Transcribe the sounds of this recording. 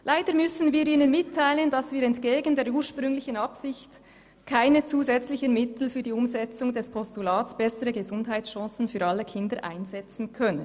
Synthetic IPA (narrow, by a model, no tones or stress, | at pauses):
lʔaɪdəɾmʏsn̩viːɾiːnənmɪtʰːaɪləndɑsviːɾɛntɡ̥eːɡəndeːɐɾuːɹʃpʁ̥ʏŋlɪçənɑpsɪçt | kʰaɪnət͡suːzɛt͡slɪçənmɪtl̩fyːɐdiːʊmzɛt͡sʊŋdɛspʰɔstulaːtsb̥ɛsəʁəɡəzʊndɦaɪtsʃɑ̃ːsn̩fyːɐɾɑləkʰɪndəɾʔa̰ɪnzɛt͡sn̩kʰœnən